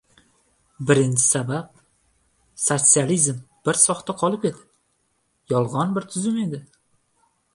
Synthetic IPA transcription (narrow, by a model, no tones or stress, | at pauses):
bɪɾɪnt͡ʃʰɪ̥sabap̚ | sot̪sializmb̥ɪɾsɒχt̪aqʰɒlˠɪpet̪ʰɪ̥ | jɒlˠʁɒnbɪɾt̪ʰʊzɪme̞d̪ɪ